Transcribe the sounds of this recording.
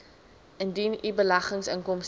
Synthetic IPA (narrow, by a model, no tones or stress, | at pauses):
əndinibəlɐχəŋsəŋkɔms